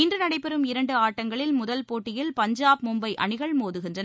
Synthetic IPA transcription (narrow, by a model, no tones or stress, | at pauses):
ɪndrɯnɐɽɐɪpːɛɾɯmɪɾɐɳɖɯaːʈːɐŋɡɐɭɪlmʊðɐlpoːʈːɪjɪlpɐɲd͡ʒaːp̚mʊmbɐɪʔɐ̰ɳɪɣɐɭmoːðɯɣɪndrɐnɐ